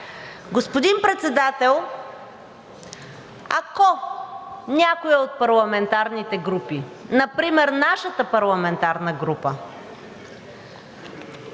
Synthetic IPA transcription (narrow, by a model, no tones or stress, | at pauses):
ɡospod̪impɾɛt̪sɛd̪at̪ɛlˠ | akɔ | nʲakoiot̪̚pɐɾlˠɐmɛnt̪aɾnit̪ɛɡɾupinɐpɾimɛɾnaʃət̪əpɐɾlˠɐmɛnt̪aɾnəɡɾupə